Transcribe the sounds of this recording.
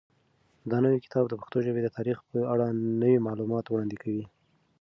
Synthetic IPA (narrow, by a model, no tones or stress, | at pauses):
d̪ənəwikɪ̥t̪ɑbd̪əpḁxt̪oʒəbed̪ət̪ɑɾixpəaɽanəwimɑlumɑt̪wɽɑnd̪ɪkʰawi